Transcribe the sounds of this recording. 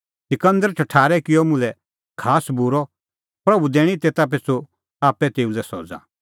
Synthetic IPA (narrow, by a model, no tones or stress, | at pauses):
sɪkə̃nd̪əɾt͡ʃʰɐʈʰaːɾɛkɪɔmʊ̃lɛ | kʰaːsbuɾɔ | pɾɐbud̪eːɽ̃it̪eːt̪ap̬eːt͡sʰo | aːpɛt̪eːulɛsɔːd͡za̰